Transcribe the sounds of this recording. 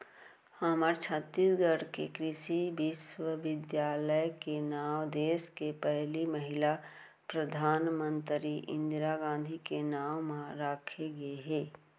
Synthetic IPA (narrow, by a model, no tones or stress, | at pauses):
haːməɾt͡ʃʰət̪ːisɡəɽkekɾɪʃibɪswəʋɪd̪jaːləjkenaːʋd̪eːskepɛɦliməɦɪla | pɾəd̪ʱaːnmə̃nt̪ɾiʔɪ̰̃nd̪ɾaɡãːnd̪ʱikenaːʋmãɾaːkʰeɡɐeɦɛː